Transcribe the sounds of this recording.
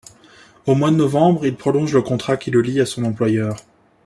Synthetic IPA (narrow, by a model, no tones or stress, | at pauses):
omwad̪ənɔvɑ̃bʁilpχɔlɔ̃ʒləkɔ̃t̪χakʲiləliasɔ̃nɑ̃plwajœːʁ